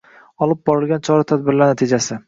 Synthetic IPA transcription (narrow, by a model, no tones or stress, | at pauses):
ɒlˠɪp̚bɒɾɪlˠɡʲant͡ʃʰɒɾat̪ʰad̪̚bɪɾlaɾnat̪ʰɪd͡ʒasɪ